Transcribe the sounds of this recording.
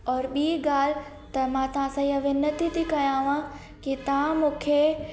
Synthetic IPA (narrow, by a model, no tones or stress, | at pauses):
ɔːɾɓiːɡaːl̤ɪ | t̪ɐmãt̪ɐʋ̤ãsãiɐʋenɐt̪ʰit̪ʰikɐjãːʋã | kit̪ɐʋ̤ãmũːkʰe